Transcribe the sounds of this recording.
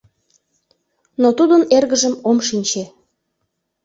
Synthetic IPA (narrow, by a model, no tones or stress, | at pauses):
not̪ud̪ənerɣəʒəmomʃinʲt͡ɕe